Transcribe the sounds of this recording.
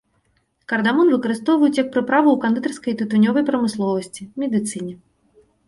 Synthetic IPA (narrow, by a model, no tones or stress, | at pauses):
kɐrd̪amɔnvɨkɐɾɨst̪ɔwvɐjut͡s̪ʲjɐk̚pɾɨpɾavɐwkand̪ɨt̪ɐrskɐjt̪ɨt̪unʲɔvɐjpɾɐmɨslˠɔvɐsʲt͡sʲimʲɛd̪ɨt̪sɨnʲɛ